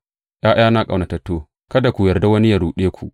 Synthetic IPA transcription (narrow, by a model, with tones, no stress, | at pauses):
ʔaː˦j̰aː˦na˦kʼa˨na˨tɐ˨tːoː˦ | kɐ˦da˨kʷu˨jɐ˨rda˦wɐ˦ni˦ja˨ɾuː˨ɗeː˦kʷu˨ʔ